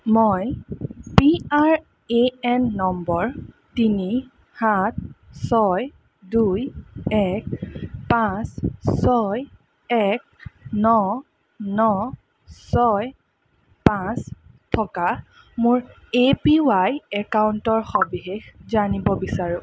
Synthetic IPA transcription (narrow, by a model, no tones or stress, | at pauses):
mɔjpiaɹ | eɛnːɔmbɔɹ | tini | hat̚sɔj | dujɛk̚pãssɔj | ɛk̚nɔ | nɔ | sɔj | pãs | tʰɔka | mʊɹ | epiwajɛkauntɔɹxɔbixexzanibɔbisaɹũ